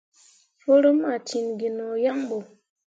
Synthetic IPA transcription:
fo˦ɾə˦ma˨ti˨nɡi˨nɔ˨ja˦ŋbo˨

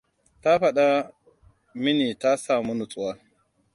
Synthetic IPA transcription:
ta˦ɸa˨ɗa˦ | mi˦ni˨ta˦saː˨mu˦nu˨t͡sʼu˨wa˦

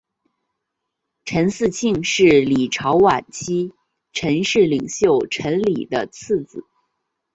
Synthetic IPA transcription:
ʈ͡ʂʰə˧˥nsɹ̩˥˧t͡ɕʰi˥˧ŋʂɻ̩˥˩li˨˩ʈ͡ʂʰɑ˧˥ʊwa˨˩nt͡ɕʰi˥ | ʈ͡ʂʰə˧˥nʂɻ̩˥˩li˨˩ŋɕjo˥˩ʊʈ͡ʂʰə˧˥nli˨˩d̪ə˦t͡s̩ʰ˥˩t͡sɹ̩˨˩˦

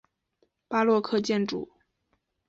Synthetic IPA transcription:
pa˥lwɔ˥˧kʰɤ˥˧t͡ɕjɛ˥˩nʈ͡ʂṵ˨˩˦

